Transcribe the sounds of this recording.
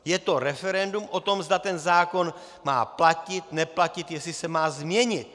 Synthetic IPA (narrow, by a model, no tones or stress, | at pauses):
jɛt̪oɾɛfɛɾɛndumʔot̪omzd̪at̪ɛnzaːko̞n | ma̰ːplacɪt̪nɛplacɪt̪jɛslɪsɛmaːzmɲɛɲɪt̪